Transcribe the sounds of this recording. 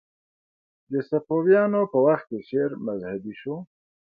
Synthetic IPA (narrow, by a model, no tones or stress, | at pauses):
d̪əsapowjɑːnopəwaxt̪̚keʃeɾmazhad̪iʃo